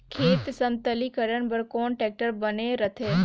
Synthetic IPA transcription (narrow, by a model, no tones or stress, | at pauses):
kʰeːt̪sə̃nt̪əlikəɾəɳbəɾkɔːnʈeːk̚ʈəɾbɐneɾɐt̪ʰeː